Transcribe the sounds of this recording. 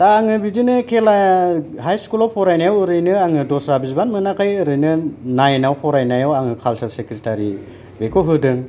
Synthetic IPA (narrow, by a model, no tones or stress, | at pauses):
taːŋɯbidinɯkʰela | ɦajskulɔwpʰɔɾajnajawɯɾɯjnɯaŋɯdɔsɾabizbanmɯnakʰɯjɯɾɯjnɯnajnawpʰɔɾajnajawaŋɯkʰalsalsekɾetaɾi | bekʰoɦɯdɯŋ